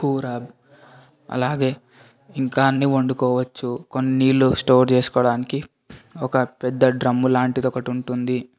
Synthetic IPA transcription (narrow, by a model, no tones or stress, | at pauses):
kuːɾaːb | ɐ̰laːɡe̞ː | iŋkaːnːioɳɖukɔːʋɐt͡ʃːukonːiniːlusʈo̞ːɾt͡ʃeːsu̥kɔːɽaːniki | ɔkɐpɛd̪ːɐɖɾɐmːulaːɳʈit̪ɔkɐʈuɳʈund̪i